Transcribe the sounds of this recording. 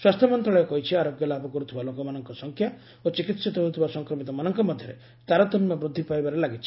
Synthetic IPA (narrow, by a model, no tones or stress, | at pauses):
swast̪ʰjɔmɔnt̪ɾɔɭɔjɔkɔɦit͡ʃʰiaɾoɡjɔlabʱɔkɔɾut̪ʰibalokɔmanɔŋkɔsɔŋkʰja | ot͡ʃikit̪sit̪ɔɦout̪ʰibasɔŋkɾɔmit̪ɔmanɔŋkɔmɔd̪ʱjɔɾḛ | t̪aɾɔt̪ɔmjɔbɾud̪ʱːipajbaɾelaɡit͡ʃʰi̥